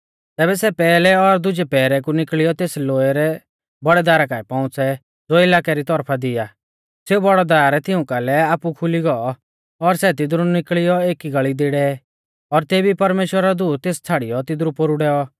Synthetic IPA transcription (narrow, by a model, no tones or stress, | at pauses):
t̪ɛːbɛsɛpɛːlɛɔɾd̪ʊd͡ʒɛpɛːɾɛk̬unɪkɭɪjɔt̪eːsloːɛɾɛ | bɐɽɛd̪aːɾakaːɛpɔ̃ʊ̃t͡sɛ | d͡zoːɪlaːkɛɾit̪ɔɾpʰad̪ɪjaː | seubɔɽɔd̪aaːɾɛt̪ʰɪʊ̃kalɛaːpukʰʊliɡɔɔ | ɔɾsɛt̪ɪd̪ɾunɪkɭɪjɔeːkiɡɐɭid̪ɪɽɛ | ɔɾt̪eːbipɐɾmeːʃwəɾad̪uːt̪̚t̪eːst͡sʰaːɽɪjɔt̪ɪd̪ɾupoɾuɽɛɔ